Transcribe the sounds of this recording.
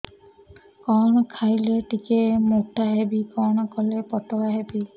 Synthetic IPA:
kɔnɔkʰajlɛʈikemotaɦebikɔnɔkɔlɛpɔtɔkaɦebi

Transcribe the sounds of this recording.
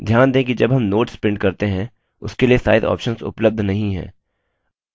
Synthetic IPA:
d̪ʱjaːnd̪ẽːk̬id͡ʒɐbɦɐmnoːʈspɪ̃ɳɖ̚kɐɾt̪eɦɛ̃ | ʊskeliesa̰ːɪd̪ɔ̰ːpʃənsʊ̰pləb̚d̪ʱnɐɦĩɦɛ̰̃ː

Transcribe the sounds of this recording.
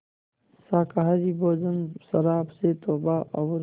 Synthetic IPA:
saːkaɦaɾiboːzənsɐɾaːbset̪oːbaʔɐwɾ

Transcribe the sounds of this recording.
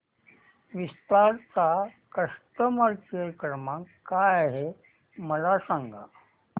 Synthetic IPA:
ʋist̪aɾt͡sakəsʈəməɾkejkɾəmãkkːajaɦe | məlasãŋɡʱa̰

